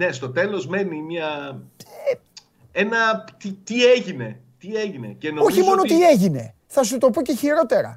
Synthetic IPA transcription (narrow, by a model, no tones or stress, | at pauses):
ne̞st̪o̞t̪e̞lo̞zme̞nimiɐ | e | enɐt̪it̪ieʝine̞ | t̪ieʝine̞̰cenooçimo̞not̪ie̞ʝine̞̰ | θɐs̬ut̪o̞poce̞çiɾo̞t̪e̞ɾɐ̰